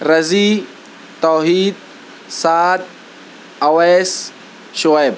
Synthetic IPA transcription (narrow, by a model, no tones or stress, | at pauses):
ɾɐziː | t̪ɔːɦiːd̪̚ | saːd̪̚ | ɐweːs | ʃʊɛːb̚